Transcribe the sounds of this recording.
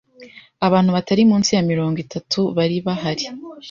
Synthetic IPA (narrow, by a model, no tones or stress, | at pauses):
aβaːn̥huβataɾimuːnsijamiɾo̞ːŋɡitʰatʰuβaɾiβaɦaɾi